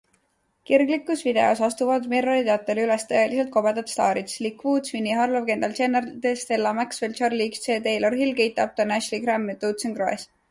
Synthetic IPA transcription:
kirɡlikːˑusvid̪e̞osɑst̪uvɑd̪meɾoɾit̪eɑt̪ːˑelylest̪ɤjelise̞lt̪̚ko̞be̞d̪ɑt̪st̪ɑːɾit̪slikːvuːd̪svinːiɦɑrlovke̞nd̪ɑlt͡ʃe̞nɑrd̪e̞st̪elːɑmæksvelt͡ʃɑrliksseːt̪ejlorɦilke̞jt̪ːˑɑb̚t̪onæʃlikɾæmːet̪ut̪sənkroḛs

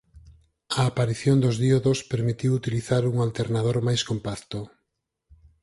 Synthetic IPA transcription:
aːpaɾiθjond̪ozðioðospeɾmit̪iwut̪iliθaɾuŋalt̪eɾnað̞oɾmajskompakt̪o

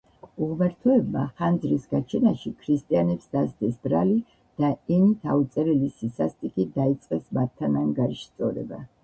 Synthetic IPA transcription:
uʁmɛɾt̪ʰɔɛbmaχand̪zɾisɡat͡ʃʰɛnaʃikʰɾist̪ʼianɛpsd̪asd̪ɛsbɾali | d̪̥aɛnit̪ʰaut̪sʼɛɾɛlisisast̪ʼikʼid̪ait̪sʼqʼɛsmat̪ʰːanaŋɡaɾiʃst̪sʼɔɾɛ̰ba̰

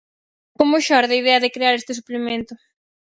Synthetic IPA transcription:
komʊʃɔɾðɐiðɛɐðɪkɾeaɾest̪ɪsuplemẽnt̪ʊ

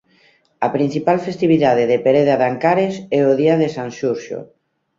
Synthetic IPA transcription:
apɾinsipalfest̪iβ̞iðað̞eðepeɾeðaðaŋkaɾesɛoðiaðesanʃuɾʃo̰

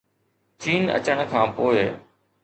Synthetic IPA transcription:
t͡ɕiːnə̰t͡ɕəɽ̃əkʰãːpoːɪ

